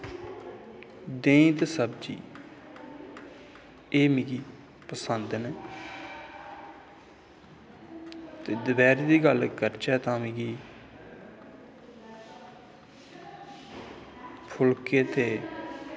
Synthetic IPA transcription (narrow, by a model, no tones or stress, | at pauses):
d̪ẽːt̪esəb̚d͡ʒḭː | eːmiːɡiː | pəsənd̪nː | t̪eːd̪əbɛːɾiːd̪iːɡəlkəɾt͡ʃɛːt̪ãːmiɡiː | pʰʊlkeːt̪ʰeː